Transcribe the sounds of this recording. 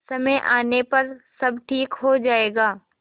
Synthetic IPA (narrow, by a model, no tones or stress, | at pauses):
sɐməjʔa̰ːnepɐɾsɐbʈʰiːkɦod͡ʒaːeːɡaː